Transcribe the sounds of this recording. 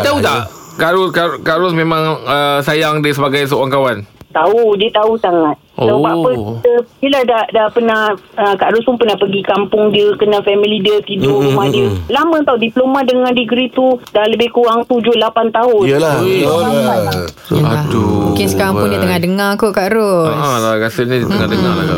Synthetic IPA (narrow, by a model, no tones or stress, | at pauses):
aut̪a̰ʔ | kaɾʊskakaɾʊsmẽmãŋəsajaŋdəsəbaɡajs̬əoaŋkawant̪audiət̪ausaŋat̪̚aupaapətəb̥iladahdahpənahəkaʔɾʊspʊnpənahpəɡikampʊŋdiəkənãfɛmilidiət̪idʊʔɾumahdiəlamə̃t̪audiplomãdəŋãndiɡɾit̪udahləbɪhkuaŋt̪ud͡ʒʊhlapant̪aɦʊnla | a | əaaduukɪnsəkaɾaŋpʊndiət̪əŋahdəŋakokaʔɾʊaslaɡasənidət̪əŋadəŋala̰ɡa̰